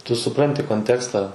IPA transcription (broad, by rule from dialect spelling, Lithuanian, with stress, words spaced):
tʊ sʊˈprɐnʲtʲɪ koːnʲˈtʲæːkstɑː